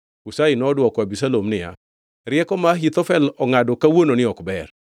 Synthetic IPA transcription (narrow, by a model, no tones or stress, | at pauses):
usainɔdwɔkwabisalomnɪja̰ | ɾɪɛkɔmaɦit̪ɔfɛlɔŋadɔkawononɪɔkbɛɾ